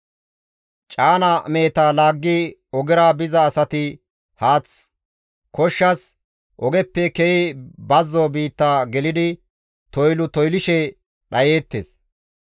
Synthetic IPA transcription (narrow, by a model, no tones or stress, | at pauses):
t͡ʃʼaːnɐme̞ːt̪aːlaːɡːiɔɡɛɾaːbɪzɐːsɐt̪ɪ | haːt͡s | kɔʃːɐs | ʔɔɡɛpːɛkɛjɪbɐzːoːbiːt̪ːaːɡɛlɪd̪ɪ | t̪ɔjlʊt̪ɔjlɪʃɛ | ɗɐjeːt̪ːḛːs